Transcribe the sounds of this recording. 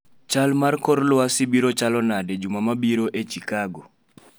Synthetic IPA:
t͡ʃalmarkɔɾlwasibiɾot͡ʃalɔnaded͡ʒumamabiɾoʔet͡ʃikaɡɔ

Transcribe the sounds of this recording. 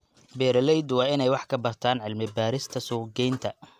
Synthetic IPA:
bɛːɾɐlɛjd̪wɑːɪnɛjwɑħkʰɐbɐrt̪ʰaːnʕɪlmɪbaːɾɪst̪ʰɐsʊːɡɛjnt̪ʰɐ

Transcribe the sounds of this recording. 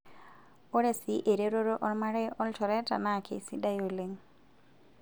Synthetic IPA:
oɾesiʔeɾeɾɔɾɔʔɔɾmaɾɛjʔɔltʰɔɾɛta̰nakʰḛsidajoleŋ

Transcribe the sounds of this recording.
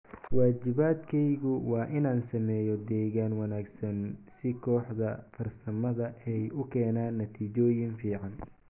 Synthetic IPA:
waːt͡ʃɪβaːd̪kʰɛjɣʊwɑːʔɪnaːnsɐmɛːjɔd̪ɛːɣaːnwɐnaːɡsɐnsɪkʰɔːħd̪ɐfɐrsɐmɐðɐʔɛjʊkʰɛːnaːnːɐt̪ʰiːt͡ʃɔːjɪnfiːʕɑn

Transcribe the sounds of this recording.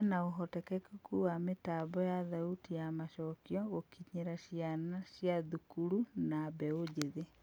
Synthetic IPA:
naoɦɔtɛkɛkukuwametabɔjaðautijamaʃɔːkjɔɣokiɲeɾaɕjanasjaðukuɾunabɛod͡ʑeðe

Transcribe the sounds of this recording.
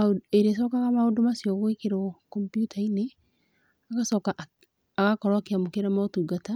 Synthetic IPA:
eɾes̬ɔkaɣamaodomasiɔɣoekeɾɔkɔmpjutʰaine | aɣasɔkaʔ | aɣakɔɾwakeamokeɾamaotuɡata

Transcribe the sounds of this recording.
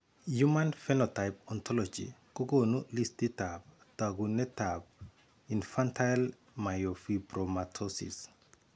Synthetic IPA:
jumanfɛnɔtajp̚ɔntʰɔlɔd͡ʒḭkoɡonulistitab | taɡunɛtap̚ | infantʰajl | majofibɾɔmatʰɔsḭs

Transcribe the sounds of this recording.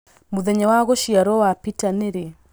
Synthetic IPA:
muðɛɲawaɣɔʃiaɾɔwapitaneɾe

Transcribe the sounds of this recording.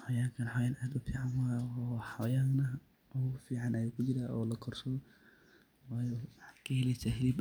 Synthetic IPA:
ħɔjaːŋkʰɐnħɔjaːnaːd̪ʊfiːʕanwaːjħɔjaːnɐ | ʔɔʊfiːʕanʔɐjuːkʰʊt͡ʃɪɾaːʔɔːlɐkʰɔrsɔ | waːjɔwħkʰɐhɛlɛsaɦɛlib

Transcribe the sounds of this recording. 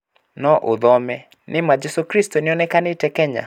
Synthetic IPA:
nɔʔʊd̪ɔmɛ | nʔɪmad͡ʒesokɾistonɪɔnɛkanɪtɛkɛɲa̰

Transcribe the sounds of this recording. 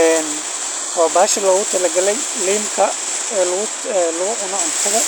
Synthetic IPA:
ɛːn | hɔːbaːʃɐlɔːɣʊt̪ʰɐlɛɡɐlɛj | liːmkʰɐ | lʊɣʊ | lʊɣʊʔʊnɐʕʊnt̪ʰɐɣɐ

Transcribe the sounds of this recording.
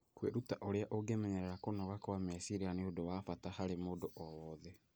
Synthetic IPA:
kwḛɾutaʔoɾeaʔoɡemɛɲɛɾɛɾakonɔɣakwamɛsiɾianeodowafatahaɾemoːdoʔɔwɔðɛ

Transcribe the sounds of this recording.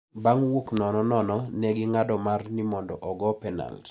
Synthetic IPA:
baŋwoknɔnɔnɔnɔnɛɡɪŋadɔmarnimɔndɔʔɔɡɔpɛna̰lt

